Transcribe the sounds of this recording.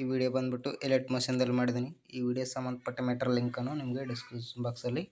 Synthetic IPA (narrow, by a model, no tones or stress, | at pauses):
iːʋiːɽijɐbɐnd̪biʈːuʔeleʈmɐʃiːnd̪ɐlːimaːɽid̪iniiːʋiːɽijɐsɐmːɐnd̪ɐpɐʈːɐmeːʈɐɾliŋkɐnːunimɐɡeɖiskuːsbaːksɐlːi